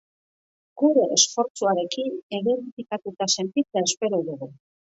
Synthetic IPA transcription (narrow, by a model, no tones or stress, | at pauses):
ɡ̥uɾe̞ʔesfo̞ɾt͡suaɾe̞kineðe̞ɾifikat̪ut̪ase̞nt̪it͡saespe̞ɾoðuɣu